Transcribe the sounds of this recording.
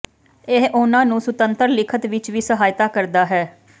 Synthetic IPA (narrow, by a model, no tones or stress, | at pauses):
eɦʊnãːnũːsʊt̪ənt̪əɾlɪkʰət̪ʋɪt͡ʃʋiːsəɦaːjt̪aːkəɾd̪aːɦɛː